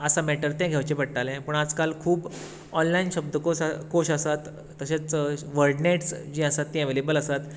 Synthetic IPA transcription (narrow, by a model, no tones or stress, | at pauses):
əsamɛʈəɾt̪ɛ̃ɡʱeʋt͡ɕepəɽʈalɛ̃pəɳad͡zkalkʰuːb | ɔnlainɕəb̚d̪əkoskoɕasat̪ː | əɕẽt͡sʋəɾɖneʈsd͡ʑĩəsat̪ːɛ̃ʋelebəlasat̪